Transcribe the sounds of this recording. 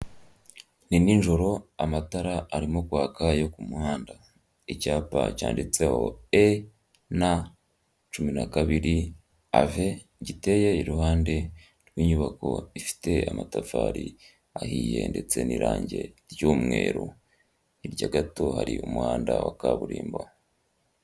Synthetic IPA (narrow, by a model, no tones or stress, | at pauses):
nininʒo̞ɾo̞amataɾaːɾimokwaːkajo̞kumuhaːnda | icaːpacaːndit͡se̞ho̞̰e | na | t͡ʃuminakaβiɾi | ave | ɟite̞jeiɾuhaːnde̞ | ɾɡwiːɲuβako̞ifi̥te̞amatafaːɾi | ahiːjende̞t͡se̞niɾaːɲɟe̞ɾjoːmŋe̞ːɾo | iɾɟaɡato̞haɾiumuhaːndawakaβuɾiːmba